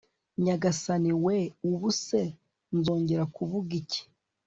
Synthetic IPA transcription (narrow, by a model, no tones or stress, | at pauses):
ɲaɡasaniweuβuse | nzo̞ːɲɟe̞ɾakuβuɡice̥